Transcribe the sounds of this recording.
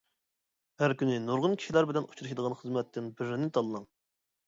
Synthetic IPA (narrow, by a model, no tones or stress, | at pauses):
hæɾkʲynɪnoɾʁʊnkʲʰi̥ʃilæɾbɪlɛnu̥t͡ʃʰuɾɨʃid̪əʁɑnχəzmɛt̪ʰːɪnbɪɾɪnɪt̪ʰɑlˠɨnɑŋ